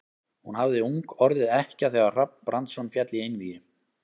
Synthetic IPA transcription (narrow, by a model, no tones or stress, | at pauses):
hunhavðɪuŋkɔɾðɪɛhcɪaθɛːɣar̥ap̚n̥pɾʔant̪sɔnfjɛt̪lɪejnvijɪ